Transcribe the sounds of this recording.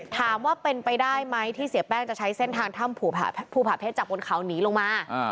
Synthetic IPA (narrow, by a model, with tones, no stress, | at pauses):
t̪ʰaː˨˩˦mwaː˥˩pe˧npa˧jdaː˥˩jma˦˥jt̪ʰiː˥˩si˨˩˦pɛː˥˩ŋt͡ɕa˨˩t͡ɕʰa˦˥jse˥˩nt̪ʰaː˧ŋt̪ʰa˥˩mpʰṵː˨˩pʰuː˧˩pʰa˨˩pʰe˦˥t̪̚t͡ɕaː˨˩k̚bo˧nkʰa˩˦wniː˦˥lo˧ŋmaː˧